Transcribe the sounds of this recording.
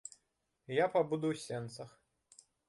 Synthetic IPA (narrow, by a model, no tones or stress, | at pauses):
japabud̪uwsʲɛnt̪sɐx